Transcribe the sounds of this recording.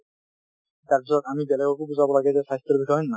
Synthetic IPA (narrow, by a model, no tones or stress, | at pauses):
t̪aɹpisɔt̪amibɛlɛɡɔkubuzabɔlaɡɛzɛsajst̪ɔɾbixɔjɔnːa